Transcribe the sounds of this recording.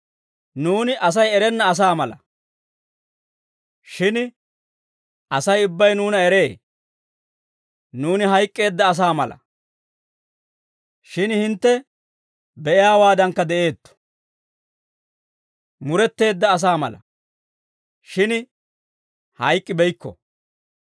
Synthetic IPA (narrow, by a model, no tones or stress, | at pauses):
nuːnɪʔɐs̬ɐjɛɾɛnːɐːs̬aːmɐlɐ | ʃɪn | ʔɐsɐjʊbːɐjnuːnɐɛɾe̞ː | nuːnɪɦɐjkʼːe̞ːd̪ːɐːs̬aːmɐ̰lɐ̰ | ʃɪnhɪnt̪ːɛ | bɛʔɪjaːwaːd̪ɐŋkːɐd̪ɛʔe̞ːt̪ːɔ̥ | mʊɾɛt̪ːe̞ːd̪ːɐːs̬aːmɐ̰lɐ̰ | ʃɪn | hɐjkʼːɪbɛjkːɔ̰